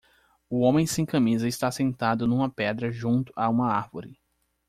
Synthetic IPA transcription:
ʊõmẽj̃sẽj̃kɐ̃mizɐɪst̪asẽnt̪ad̪ʊnũmɐpɛd̪ɾɐʒũnt̪ʊ̥ʔaũmɐaɾvoɾɪ

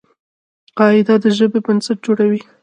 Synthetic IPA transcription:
qɑɪd̪ad̪əʒəbebənsaʈ̚d͡ʒoɽawi

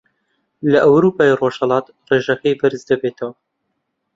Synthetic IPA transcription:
lɐʔɐwɾuːpaːiroʃhɐlˠɑːt̪ | reːʒɐkɐjbɨɾzd̪ɐbeːt̪ʰɐwɐ

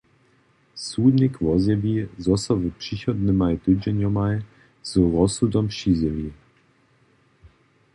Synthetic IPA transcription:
suːd̪nʲikvɔzʲjɛvʲizɔsavpʂiçɔd̪nɘmajt̪ɨd͡ʑɛɲʲɔmaj | z̥ɔɾɔsud̪ɔmɕizʲɛvʲi

